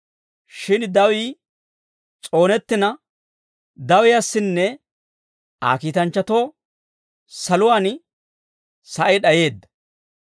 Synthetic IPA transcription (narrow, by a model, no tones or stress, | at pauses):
ʃɪnd̪ɐwiː | t͡sʼo̞ːnɛt̪ːɪnɐ | d̪ɐwɪjɐsːɪnːɛ | a̰ːkiːt̪ɐnt͡ʃːɐt̪o̞ː | sɐlʊwaːn | sɐʔɛɗɐje̞ːd̪ːɐ̥